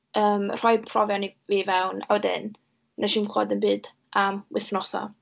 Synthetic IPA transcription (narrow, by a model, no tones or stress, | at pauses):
əːmr̥ɔɨd̥̚pʰrɔvjɔniviːvɛwna̰wdɪ̰n | nʔaʃiːnkʰlˠɔ̰ːdənbɨːd | ʔamwɪθnɔsɔ̰